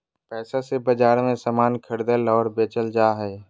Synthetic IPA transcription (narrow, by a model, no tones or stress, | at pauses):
pɛːsasebəd͡ʒaːɾmẽsaːmaːnkʰəɽd̪əlɔːɾbeːt͡ʃəld͡ʒaːɦɛː